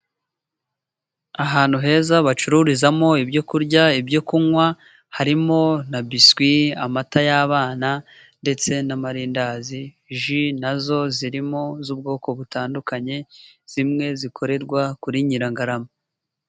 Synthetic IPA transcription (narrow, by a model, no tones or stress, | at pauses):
aɦaːn̥huɦe̞ːzaβat͡ʃuɾuɾizamo̞ibɟo̞kuɾɟaibɟo̞kuŋwa | haɾimo̞nabiskwia̰matajaːβaːna | nde̞t͡se̞namaɾiːndaːzi | ʒinazo̞ziɾimo̞zuːb̚ɡo̞ːko̞βutaːndukaɲe̞z̥imŋe̞zikʰo̞ɾe̞ɾɡwakuɾiɲiɾaŋɡaɾamo